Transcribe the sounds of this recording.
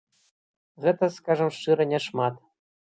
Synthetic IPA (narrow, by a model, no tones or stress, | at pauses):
ɣɛt̪ə̆skɑʐɤ̆mʂɨɾɤ̆nʲeʂmɑt̪